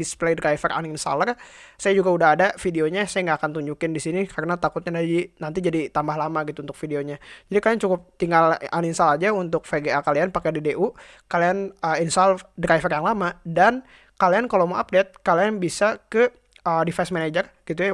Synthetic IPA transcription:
displedraifərʔa̰ninsa̰lərsajad͡ʒuɡaudaɦadafideoɲasajaŋɡaːkant̪uɲd͡ʒukɪndisinikarənat̪akʊt̪̚ɲadad͡ʒinant̪id͡ʒadit̪ambaɦlamaɡit̪unt̪ʊ̥k̚fideoɲad͡ʒadikaliant͡ʃukʊp̚t̪iŋɡalaninsalad͡ʒaunt̪ʊk̚feɡeakalianpakɛdedeʔu | kalianəinsaldɾajfərjaŋlamadan | kaliankalomoʔap̚det̪̚kalianbisakə | ədifasmaned͡ʒərɡ̥it̪u

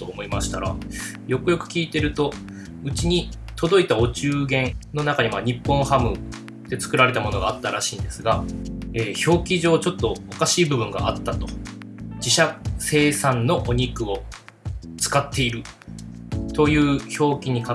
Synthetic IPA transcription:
t̪oːmo̞imaɕi̥t̪aɾa̰ | jo̞kɯ̟jo̞kɯ̟̥kʲiːt̪e̞ɾɯ̟t̪o̞ | ɯ̟t͡ɕiɲ̟i | t̪o̞d̪o̞it̪aot͡ɕɨːɡẽ̞nno̞nakaɲ̟imaɲ̟ipːõ̞hamɯ̟ | d̪̥e̞t͡sɨ̥kɯ̟ɾaɾe̞t̪amo̞no̞ɡaːt̪ːaɾaɕḭ̃ːnd̪e̞sɨɡaeːço̞ːkʲiʑo̞ːt͡ɕo̞t̪ːo̞okaɕiːbɯ̟bɯ̟̃ŋɡa̰at̪ːat̪o̞̥ | d͡ʑiɕase̞ːsãnːo̞ʔoɲ̟ikɯ̟o̞ | t͡sɨ̥kat̪ʰːe̞iɾɯ̟ | t̪o̞jɯ̟ːço̞ːkʲiɲ̟ika

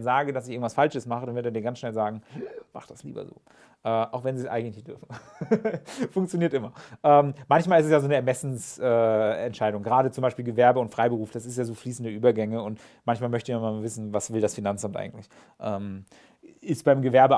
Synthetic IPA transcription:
nzaːɡədas̬ɪçɪɐɡ̩ŋ̩tvasfalʃəsmaχədanvʏɐdeɐdiːɐɡant͡ssʃnɛlzaːɡŋ̩ma̰χd̥aslḭːbɐ̰zo̰ː | ʔɛːʔaʊxvɛnziːsʔa̰ɪŋnnlɪçd̥ʏɐfn̩ | fʊŋk̚t͡sjoniːɐtʔɪmɐʔɛːmmançmaːlɪstɛsjaːzoːnəɛɐmɛsn̩sʔɛːɛ̰ntʃaɪɾʊŋɡəʁaːɾət͡sʊmbaɪʃpiːlɡəvɛɐbəʊntfʁ̥aɪbəʁuːfd̥asɪstjaːzoːfliːsn̩dəʔyːbɐɡɛŋəʊnt | mançmaːlmœçtəmanmanavɪsn̩vasv̥ɪldasfinant͡samtʔa̰ɪɡŋ̩tlɪç | ʔɛːm | ʔɪstb̥aɪmɡəvɛɐbə

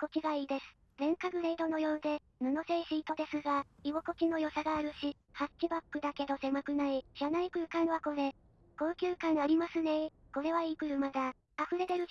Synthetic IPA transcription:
ko̞kʲiɡaiːd̪e̞sɨ̥ | zẽ̞ŋkaɡɯ̟ɾeid̪o̞no̞jo̞ːd̪e̞ | nano̞seiɕiːt̪o̞d̪e̞sɨɡaiβo̞ko̞kʲino̞jo̞saɡaːɾɯ̟ɕi | hakʲːibakːɯ̟d̪ake̞d̪o̞se̞makɯ̟naiɕanaikɯ̟ɯkãɰ̃βako̞ɾe̞ | ko̞ːkʲɨːkãɰ̃aɾʲimasɨne̞ko̞ɾe̞βaikɯ̟ɾɯ̟mad̪a | aɸɯ̟ɾe̞d̪eɾɯ̟

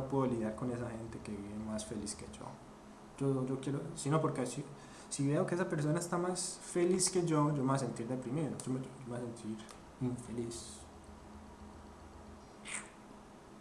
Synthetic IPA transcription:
opweðoliðjaɾko̞ne̞s̬axe̞nt̪e̞ke̞βiβemasfe̞lisked͡ʒo̰ | d͡ʒod͡ʒo̞kjeɾosinopo̞ɾkesi | siβe̞okeesapeɾs̬o̞naest̪amasfeliske̞d͡ʒod͡ʒo̞meas̬ent̪iɾd̪epɾimeɾod͡ʒomeod͡ʒomease̞nt̪ʰiɾ | iɱfe̞lis

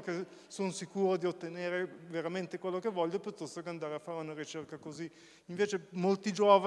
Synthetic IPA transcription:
ke | sonosikuːɾod̪iot̪ːeneːɾeveɾament̪ekwelːokevɔʎːopjut̪ːɔst̪okeand̪aːɾeafːaːɾeunaɾit͡ʃerkakoziː | ɱveːt͡ʃemolt̪id͡ʒoːva

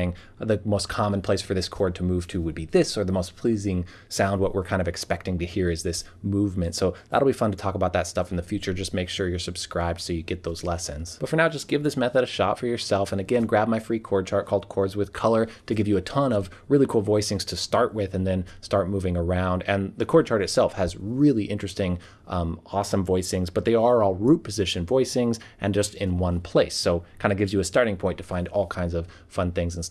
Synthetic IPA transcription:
ɪ̃ŋ | ðɨmoʊskʰɑmə̃n̩pʰl̥eɪsfə˞ðɪskʰɔɹd̚tʰəmuv̥tʰɨwɨd̚biðɪsə˞ðəmoʊspʰl̥izɪ̃ŋ | sãʊ̃nd̚wʌʔwəɹkʰãɪ̃ndʌvɨkspɛk̚tɪ̃ŋtɨhiɹɨzðɪs | muvmɨ̃ntsoʊðə̰ɾl̩ˠbifʌ̃ntʰɨtʰɔkəbaʊt̪̚ðɨtstʌfn̩ðɨfjʉt͡ʃə˞d͡ʒʌs̚meɪkʃʊɹjə˞sɨb̥skɹaɪb̚d̥soʊjɨɡɛt̪̚ðoʊzlɛsɨ̃nz̥b̥ʌtfə˞naʊd͡ʒʌsɡ̥ɪvðɪsmɛθɨɾɨʃɑ̰tfə˞jə˞sɛlˠfɨ̃nɨɡɛ̃nɡɹæb̚maɪfɹikʰɔɹd̚t͡ʃʰɑɹ̚kʰɔlˠd̚kʰɔɹdzwɨð̥kʰʌlˠə˞ɾɨɡɪvjɨɨtʰʌ̃nʌv | ɹɪlˠikʰulˠvɔɪsɪ̃ŋz̥tʰɨstɑɹʔwɪðɨ̃nðɨ̃nstɑɹt̚muvɪ̃ŋə˞ãʊ̃ndɨ̃nðɨkʰɔɹd̚t͡ʃʰɑɹɾɨtsɛlˠfhɨzɹɪlˠiʔɪ̃nt͡ʃɹ̥ɨstɪ̃ŋ | ɔsə̃mɱvɔɪsɪ̃ŋzbʌt̪̚ðeɪə˞ɔlˠɹut̚pʰɨzɪʃɨ̃nvɔɪsɪ̃ŋzʔɨ̃nd͡ʒʌstɪ̃nwʌ̃npʰl̥eɪsːoʊkʰãɪ̃ndɨɡɪvzjɨːstɑɹɾɪ̃ŋpʰɔ̃ɪ̃ntʰɨ̥fãɪ̃ndɔlˠkʰãɪ̃ndzʌv̥ | fʌ̃nθɪ̃ŋzn̩s

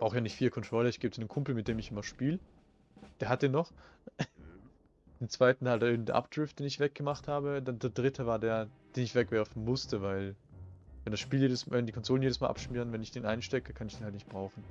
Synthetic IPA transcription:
b̥ʁ̥aʊxəjaːnɪçtfiːlɐkʰɔntʁ̥ɔʏlɐɪçɡ̥eːbəd̥iːnənkʰʊmpl̩mɪt̚d̥eːmɪçʔɪmɐʃpiːl | d̥eːɐɦat̚d̥eːnːɔχ | d̥eːnt͡sv̥aɪtn̩altdanʔɪːbm̩d̥eːɐʔa̰pd̥ʁɪftd̥eːnɪçv̥ɛk̚ɡ̥əmaχthaːbədandeːɐdʁɪtʰəvaːɐdeːɐd̥eːnɪçv̥ɛkv̥ɛɐfn̩mʊstʰəvaɪl | vɛndasʃpiːljeːdəsmvɛndiːkʰɔnzoːlənjeːdəsmaːlʔapʃmyːʁənvɛnɪçd̥eːnʔaɪnʃtɛkəkʰanɪç̥eːnhaltnɪçt̚b̥ʁaʊxn̩

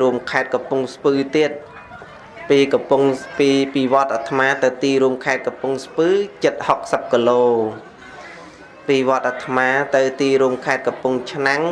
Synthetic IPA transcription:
ɾuəmkʰaɛt̪̚kɑpuŋspɨːt̪iət̪̚ | piːkɑpuŋpiːpiːʋŏət̪̚ʔat̪ʰmaːt̪ɨwt̪iːɾuəmkʰaɛt̪̚kɑpuŋspɨːt͡ɕɨt̪̚hok̚səp̚kiloː | piːʋŏət̪ʔat̪ʰːmaːt̪ɨwt̪iːɾuəmkʰaɛt̪̚kɑpuŋt͡ɕʰnaŋ

